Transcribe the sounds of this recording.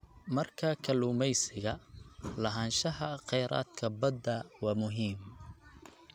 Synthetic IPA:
mɐrkʰɐkʰɐluːmɛjsɪɣɐlɐɦaːnʃɐɦɐqɛjɾa̰ːd̪kʰɐbɐd̪ɐwɑːmʊɦiːm

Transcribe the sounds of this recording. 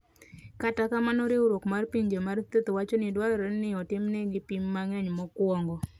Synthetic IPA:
katakamanɔɾɪoɾokmarpiɲd͡ʒemart̪et̪wat͡ʃɔnɪdwalɾennɪɔtɪmnɛɡɪpimːaŋɛɲmɔkwɔŋɡɔ

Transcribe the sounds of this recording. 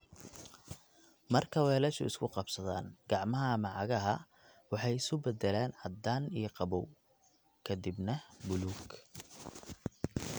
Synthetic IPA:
mɐrkʰɐwɛːlɛʃʊ̰ɪskʰʊqɑbsɐða̰ːnɡ̥ɑʕmɐɦɐmɑʕɑɣɐɦɐ | wɑħɑjɪsʊbɛd̪ɛlɛːnʕɑd̪aːniːqɑβɔw | kʰɐd̪ibnɐbʊluːɡ

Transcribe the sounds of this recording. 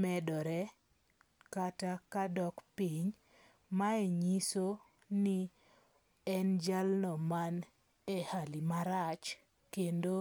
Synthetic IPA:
mɛdɔɾɛ | katakadɔkpiɲ | maeɲiso | ni | ɛnd͡ʒalnɔman | ehalimaɾat͡ʃ | kendo

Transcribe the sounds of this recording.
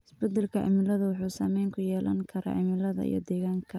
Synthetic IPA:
ɪsbɐd̪ɛlkʰɐʕɪ̰mɪlɐðɐwʊħuːsaːmɛjŋkʰʊjɛːlɐ̰ŋkʰɐɾa̰ːʕɪmɪlɐðɐ̰ḭjɞ̰d̪ɛːɣaːŋkʰɐ

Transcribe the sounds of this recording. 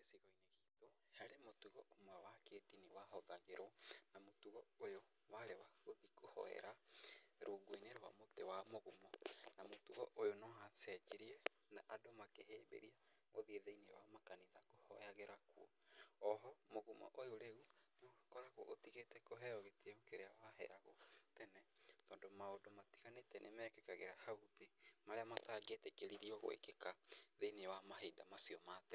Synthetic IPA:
esiɣɔineɣito | haɾemotuɣɔʔomwawakeːdiniwaɦɔðaɣeɾʔɔnamotuɣɔojo | waɾewaoðikohɔ̰ɛ̰ɾaɾʔoɡoineɾowa̰motewamoɣumɔnamotuɣɔ̰ʔojonɔɦasɛt͡ʃeɾiɛ | naʔadomakeɦeːbḛɾia | moðieðeinewamakaniðakohɔ̰jaɣeɾakwɔ | ɔɦɔmoɣuma̰ʔojoɾeuneoakɔɾakuɔ̰ʔotiɣetɛkoɦɛɔɣetieokeɾeawaɦɛ̰aɣo̰tɛnɛtɔːndomaodomati̥ɣanetɛnʔemɛkekaɣeɾahauðemaɾeamataːɡetɛkeɾiɾiɔɣo̰ḛkekaðeinewamaɦedamasiɔmaːtɛ

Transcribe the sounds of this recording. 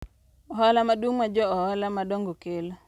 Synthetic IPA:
ɔɦɔlamadwuŋmad͡ʒɔɔhɔlamadoŋɡokelo

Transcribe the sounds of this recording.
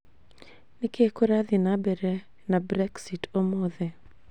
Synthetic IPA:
nɪkekoɾaðɪnabɛɾɛ | nabɾɛksitomoðɛ

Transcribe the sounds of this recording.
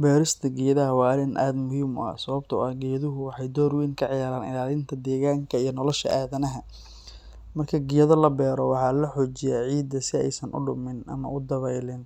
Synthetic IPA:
bɛːɾɪst̪ʰɐɡɪjɐðɐɦɐwɑːɾɪnʔa̰ːd̪mʊhiːmʊ̰ɐ̰sɐβɐbt̪ʰɐʊɐhɡɪjɐðʊɦʊwɑħɑjd̪ɔːrwiːŋkʰɐʕɪjaːɾaːnɪ̰laːlɪnt̪ʰɐd̪ɛːɣaːŋkʰɐijɞnɔlɔʃɐ̰ʔaːðɐnɐɦɐ | mɐrkʰɐɡɪjɐðɐlɐbɛːɾɔwɑħɑːlɐħɔːt͡ʃɪjaːʕiːd̪ɐsɪɛ̰jsɐnʔʊ̰ɖʊmɪnʔɐ̰mɐ̰ʔʊd̪ɐβɛjlɪn

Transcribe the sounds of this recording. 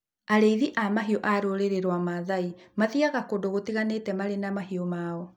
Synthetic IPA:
aɾeiðiʔamaɦiɔʔaɾoɾeɾeɾwamaðaimaðiaɣakodoɣotiɣanetɛmaɾenamaɦiɔmaːɔ

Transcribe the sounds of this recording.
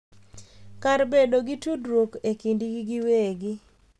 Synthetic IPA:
karbedoɡitudɾokekindiɡɡɪweɡɪ

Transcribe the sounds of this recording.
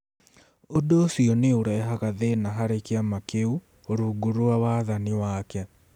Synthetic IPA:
odosiɔneoɾɛɦaɣaðenaɦaɾekiamakeu | oɾuɡuɾuwawaðaniwakɛ

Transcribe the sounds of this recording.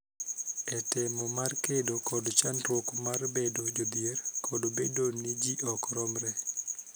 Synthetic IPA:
ɛtɪmɔmarkedokɔdt͡ʃanɾwokmarbedod͡ʒod̪jerkʰɔdobedonid͡ʒiʔɔkɾɔmɾɛ

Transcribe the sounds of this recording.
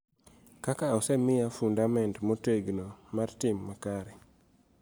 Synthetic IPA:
kakaɔsɛmɪjafundamɛntmoteɡnomartɪmːakaɾɛ

